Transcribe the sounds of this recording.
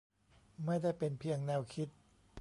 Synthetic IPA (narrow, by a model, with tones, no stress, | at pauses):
ma˥˩jda˥˩jpe˧npʰi˧əŋnɛː˧wkʰi˦˥t̪̚